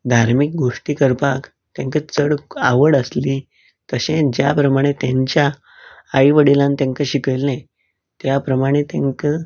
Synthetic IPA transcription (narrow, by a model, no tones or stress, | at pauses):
d̪ʱaɾmik̚ɡʱoʂʈiːkəɾpak | t̪jãŋkət͡səɽaʋəɽəsli | t̪əɕẽd͡ʑjapɾəmaɽ̃et̪jãɲt͡ɕjaː | jʋəɽilãnt̪jãŋkəɕikəjlẽ | t̪japɾəmaɽ̃et̪ãŋkə